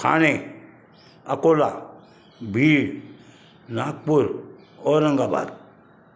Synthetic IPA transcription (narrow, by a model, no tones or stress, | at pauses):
kʰa̰ːñe | ɐ̰kola | bʱiːɭ | naːk̚puɾ | ɔɾəŋɡaːba̰ɾ